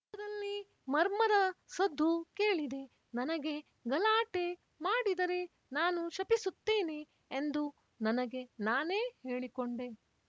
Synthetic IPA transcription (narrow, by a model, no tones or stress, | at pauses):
ɐd̪ɐlːi | mɐɾmɐd̪ɐsɐd̪ʱːukeːɭid̪e̞ | nɐnɐɡe̞ | ɡɐlaːʈe̞ | maːɽid̪ɐɾe̞ | naːnuʃɐpisut̪ːeːneː | nd̪u | nɐnɐɡe̞naːneːhe̞ːɭikoɳɖe̞